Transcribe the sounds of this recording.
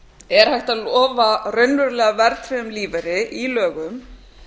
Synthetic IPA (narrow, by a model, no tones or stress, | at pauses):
ɛɾ̥hajht̪alɔːvarœɥnvʏɾlɛːɣavɛɾt̪ɾɛʏmliːvɛɾɪʔilœːɣʏm